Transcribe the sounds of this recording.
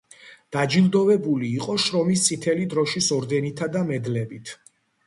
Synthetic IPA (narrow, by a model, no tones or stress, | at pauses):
d̪̥ad͡ʒilˠd̪ɔvɛbuliːqʼɔʃɾɔmist̪sʼit̪ʰɛlid̪ɾɔʃisɔɾd̪ɛnit̪ʰad̪amɛd̪lɛbit̪ʰ